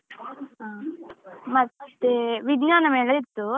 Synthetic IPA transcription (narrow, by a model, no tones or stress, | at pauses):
ɦaː | mɐt̪ːeʋiɡnaːnɐmeːlɐit̪ːu